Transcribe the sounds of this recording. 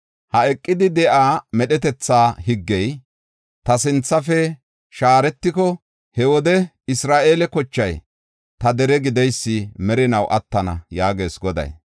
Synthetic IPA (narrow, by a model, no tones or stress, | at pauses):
hɐɛkʼːɪd̪ɪd̪ɛʔaːmɛɗɛt̪̬ɛt͡sːaːhɪɡːɛj | t̪ɐsɪnt͡sːɐfɛ | ʃaːɾɛt̪ːɪkɔ | hɛwɔd̪ɛ | ɪsɾaːʔe̞ːlɛkɔt͡ʃːɐj | t̪ɐd̪ɛɾɛɡɪd̪ɛjsːɪmɛɾɪnɐwʔɐt̪ːɐnɐ̰jaːɡe̞ːsɡɔd̪ɐ̰j